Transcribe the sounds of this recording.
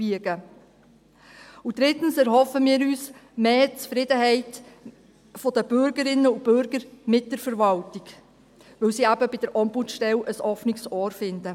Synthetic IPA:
b̥iəɡə | ʊd̥ɾɪtən̩sɛɾhɔfəmiːɾyːsmeːt͡sfɾɪdəhɛɪt | fod̥əb̥ʏɾɡəɾɪnːəub̥ʏɾɡəɾmɪt̚d̥əɾfəɾvɑltɪɡ | ʋɪlsiæbəbɪd̥əɾʔɑmputʃtɛlʔəsɔfnɪksɔːɾfɪndə

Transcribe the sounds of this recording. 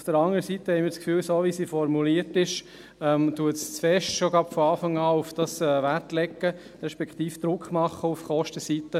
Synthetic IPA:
ufd̥əɾɑŋəɾəsit̪ːəhɛɪmɪːɾskfyːlsoːʋisiːfɔɾmuliːəɾtɪʃ | ɛmtuətst͡sfɛʃtʃoɡɑpfɔɑːfɑŋɑːufd̥ɑsɛːʋæɾtlɛkːə | ɾɛʃpɛkχt̪iːfd̥̪ɾʊkχmɑχːəufχɔʃtəsit̪ə

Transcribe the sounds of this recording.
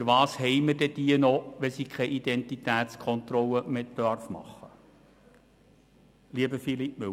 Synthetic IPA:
fəɾʋɑːshɛjməd̥ɛd̥̪iːənɔʋɛsikʰχɛʔid̥̪ɛnt̪itæːt̪skʰɔnt̪ɾɔləmetdœɾfmɑ̰χːə | liəbəfilipmʏ

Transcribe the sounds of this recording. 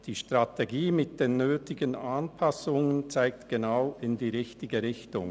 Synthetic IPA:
d̥iːʃtʁ̥atʰeɡiːmɪt̚d̥eːnːøːtɪɡənanpʰasʊŋənt͡saɪk̚tɡ̥enaʊɪndiːʁɪçtɪɡəɾɪçtʊ̰ŋ

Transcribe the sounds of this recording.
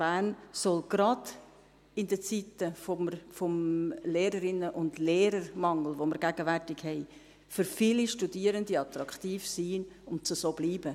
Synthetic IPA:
b̥æːnsɔlɡ̥ɾɑd | ɪndət͡sit̪əfɔməfɔmleːɾəɾɪnːəʔʊndleːɾəɾmɑŋl̩ʋoməɾɡ̥æɡ̥əvæɾtɪɡhɛɪ | fʏɾfɪliʃtudiːəɾəndiɑt̪ɾɑkχt̪iːfsiːʊntt͡susoːbliːbə

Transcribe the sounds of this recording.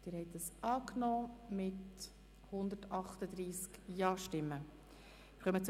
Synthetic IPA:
d̥ɪːɾhɛɪt̪əsʔɑːknɔːmɪt | hʊnd̪əɾtɑχt̪əd̪ɾiːskjɑːʃtɪmːə | ɪɾχœmət͡s

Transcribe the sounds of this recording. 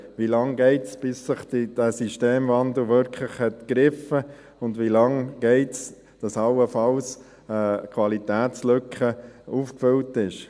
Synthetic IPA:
ʋilɑŋɡɛɪtsb̥ɪsːɪχtid̥æsiʃteːmvɑndl̩ʋʏɾkʰləχhɛtkɾɪfə | ʊndʋilɑŋɡ̥ɛɪts | d̥ɑsɑwəfɑls | ɛkʰwɑlit̪æːtt͡slʏkχəuːfkfʏltɪʃ

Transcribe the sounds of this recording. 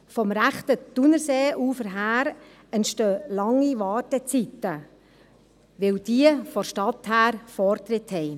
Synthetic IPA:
fɔmɾæχt̪əd̥unəɾseːʔuːfəɾɦæːɾ | ɛntʃtøːlɑŋːiʋɑːtɛt͡sit̪ə | ʋɪwd̥iəfɔʃtɑt̪hæːɾfɔɾt̪ɾɪt̪hɛɪ

